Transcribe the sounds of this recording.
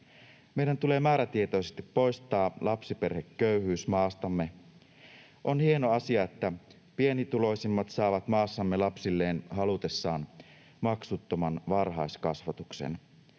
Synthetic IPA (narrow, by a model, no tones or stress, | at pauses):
me̞jdænt̪ule̞ːmæːɾæt̪iet̪o̞jsest̪ipːo̞jst̪ɑːlʔɑpsipe̞rhekːøyhyːsmɑːst̪ɑmːe̞ | ʔo̞nhie̞no̞ɑsiɑet̪ːæ | pie̞nit̪ulo̞isimːɑt̪sɑːʋɑt̪mɑːsːɑmːelɑpsilːe̞ːnɦɑlut̪e̞sːɑːn | mɑksut̪ːomɑnʋɑrɦɑjskɑsʋɑt̪uksḛn